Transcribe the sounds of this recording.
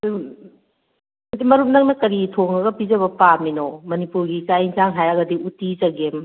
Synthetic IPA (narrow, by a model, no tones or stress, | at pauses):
ɐdimɐɾup̚nɐk̚nɐkɐɾitʰoŋɐɡɐpizɐbɐpaminomɐnipuɾɡit͡ʃajinzaŋɦajaɡɐdiutit͡ʃɐɡem